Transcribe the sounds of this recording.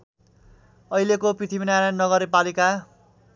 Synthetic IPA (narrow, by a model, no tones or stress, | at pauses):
ʌilekoprit̪ʰibinaɾannːʌɡʌɾepalika